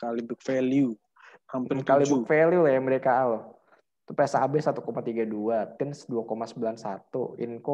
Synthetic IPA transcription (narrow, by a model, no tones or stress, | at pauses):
kalibuk̚feliu | kampəkalibufeliulajaməɾekaːlo | t̪upaasa̰bɛsat̪ukomat̪iɡaduat̪ɛnsduakomasəbilansat̪ṵɪ̰nko